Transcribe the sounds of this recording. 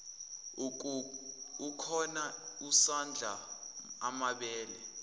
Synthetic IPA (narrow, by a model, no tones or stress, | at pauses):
ukʰɔnausand͡ɮʱaa̰maɓɛːlɛ̰